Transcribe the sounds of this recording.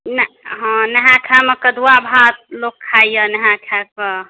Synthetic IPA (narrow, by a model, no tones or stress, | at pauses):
nɦɔ̃nəɦãkʰaməkəd̪uwabʱat̪̚lokʰːajjənəɦãkʰakə